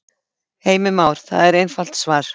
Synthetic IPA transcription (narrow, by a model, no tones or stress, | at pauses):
heːjmɪmaːwɾ̥θa̰ðɛɾejnfal̥t̪svaːɾ̥